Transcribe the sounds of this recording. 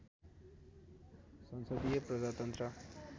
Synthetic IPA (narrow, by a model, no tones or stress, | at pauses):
sʌnsʌd̪ijʌprʌd͡zat̪ʌnt̪ɾʌ